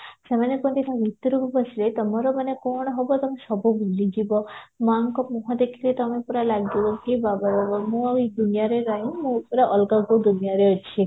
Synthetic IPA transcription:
semanɔkɔnt̪isʰãʋit̪ːuɾubʱubɔt͡ʃʰilet̪ɔmɔɾɔmanekɔɽ̃ɔɦɔbɔt̪ɔmesɔbʱubulːid͡ʒibɔmaŋkɔmɔɦɔ̃d̪ekʰiɾet̪ɔmeupɔɾalaɡd͡ʒibɔkibabaɾabɔmũd̪unijaɾeɾajũmũpɾaʔɔlɡaɡod̪unijaɾeɔt͡ʃʰi

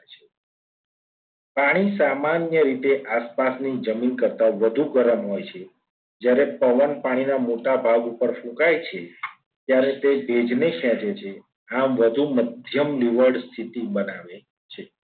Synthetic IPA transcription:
t͡ʃʰe | paɽ̃isamanjəɾit̪eʔaspasnid͡ʒəminkəɾt̪aʋəd̪ʱuɡəɾəmɦojt͡ʃʰe | d͡ʒjaɾepəʋənpaɽ̃inamoʈabʱaɡupəɾfũkajt͡ʃʰe | t̪jaɾet̪ebʱed͡ʒnekʰjãt͡ʃet͡ʃʰe | amʋəd̪ʱuməd̪ʱjəmliʋəɾɖst̪ʰit̪ibənaʋe | t͡ʃʰe

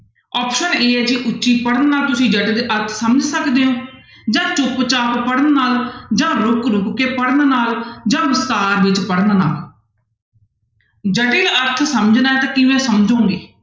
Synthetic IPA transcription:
ɔːpʃəneːɦɛːd͡ʒiʔʊtːʃiːpəɽənːaːlt̪ʊsĩːd͡ʒəʈɪləɾt̪ʰsəməd͡ʒsəkd̪eːõː | d͡ʒãːt͡ʃʊpt͡ʃaːppəɽənːaːld͡ʒãːɾʊkɾʊkkeːpəɽənːnaːld͡ʒãːʋɪst̪aːɾʋɪt͡ʃpəɽnːna̰ːl | d͡ʒəʈɪləɾt̪ʰsəməd͡ʒnaɛːt̪aːkɪʋɛ̃ːsəmd͡ʒõːŋɡeː

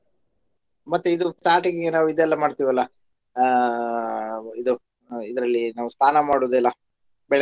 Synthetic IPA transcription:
mɐt̪ːuid̪usʈaːʈiɡiɡenaːʋuid̪ɛlːɐmaːɖt̪iːʋɐlːɐ | id̪u | id̪ɐɾɐlːinaːʋust̪ʰaːnɐmaːɽoːd̪ɛlːɐ | bɛɭɛ

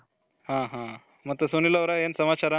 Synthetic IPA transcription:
ɦãɦã | mət̪əsonilaʋɾajensəmat͡ɕaɾa

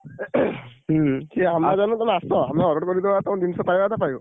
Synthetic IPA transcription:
kiamɹazanɔ̃t̪ãasɔamaɔɾɔʈkɔɾid̪ɔat̪aw̃d̪insɔpajbat̪ʰapaj̃

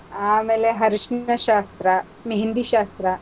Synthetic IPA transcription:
aːmeːleɦɐɾiʃnɐɕaːst̪ɾɐ | meɦind̪iɕaːst̪ɾɐ

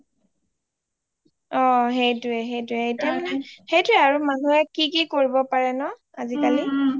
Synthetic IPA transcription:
ɔxejtʊɛɦejtʊɛejtɛmɛxejtʊɛaɹumanuɛkikikoɹibɔpaɹɛnɔ | azikali

